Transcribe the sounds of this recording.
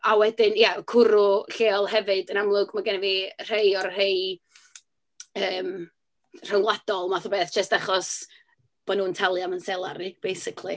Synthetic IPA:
awɛdɪnjakʰʊɾʊɬeːɔlˠhɦɛvɨdənamlˠʊɡmaɡanɛviːr̥ejɔrhej | əːm | r̥ənlˠad̥ɔlˠmaθɔbeːθd͡ʒ̥əstaχɔs | b̥ɔnuːntʰalˠjamənsɛlˠaɾib̥ejsɪkʰlˠḭ

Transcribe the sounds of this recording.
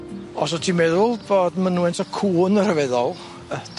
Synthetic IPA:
ɔs̬ɔtʰiːmɛðʊlˠboːdmənuwɛntʰɔkʰuːnər̥əvɛðɔlˠ

